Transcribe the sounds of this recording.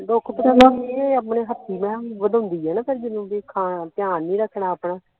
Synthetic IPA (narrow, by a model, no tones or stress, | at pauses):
d̪okʰt̪o | əːpɳeːɦət̪ʰːiːmɛ̃ːʋəd̪ʊ̃nd̪iːɦɛːnaːpʰɪɾd͡ʒɪnũːbiːkʰaːp̪jaːniːɾəkʰːɳaːəːpɽaː